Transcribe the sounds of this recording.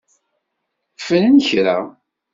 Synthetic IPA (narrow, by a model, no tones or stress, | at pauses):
fənənçɾæ